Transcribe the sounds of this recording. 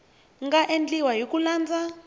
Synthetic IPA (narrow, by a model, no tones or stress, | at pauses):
ŋɡaʔend͡ɮiwajok̬ulaːnd͡za